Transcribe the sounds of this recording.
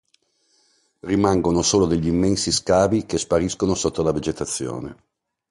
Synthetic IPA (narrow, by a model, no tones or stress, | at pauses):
rimaŋɡonosoːlod̪eʎːiimːɛnsiskaːvikespaɾiskonosot̪ːolaved͡ʒet̪at̪sːjo̰ːnḛ